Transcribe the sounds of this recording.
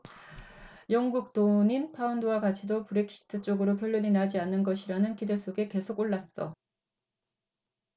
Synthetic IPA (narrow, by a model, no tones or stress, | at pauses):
jʌŋɡuk̚t͈oɲinpʰaundowakat͡ɕʰidopuɾek̚ʰɕ͈ʰi̥tʰɯt͡ɕ͈oɡɯɾokjʌʎːʌɲinad͡ʑianːɯnɡʌɕʰiɾanɯnkide̞sʰoɡe̞ke̞sʰoɡoɭːas͈ʌ